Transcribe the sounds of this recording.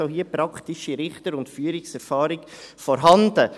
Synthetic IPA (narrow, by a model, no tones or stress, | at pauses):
oɦiːəpɾɑktɪʃiɾɪχtəɾʊntfyːəɾɪksɛɾfɑːɾɪkfɔɾɦɑndə